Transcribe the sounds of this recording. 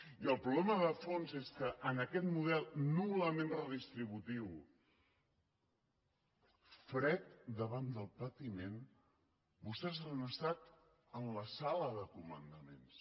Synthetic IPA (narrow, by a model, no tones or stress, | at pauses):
iəlˠpɾuβlɛməðəfonzeskəʔənəkɛt̪muðɛlˠnuləmenrəðist̪ɾiβut̪iw | fɾɛt̪̚d̪əβand̪əlˠpət̪imen | bust̪ɛzanəst̪at̪ | ənləsaləðəkumə̰nd̪əmḛ̃ns